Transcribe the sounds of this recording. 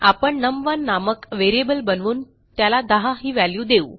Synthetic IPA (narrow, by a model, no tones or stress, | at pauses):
apəɳnəmʋənːaməkʋeɾiebəlbənʋuːn | t̪jalad̪əɦaɦiːʋæljuːd̪euː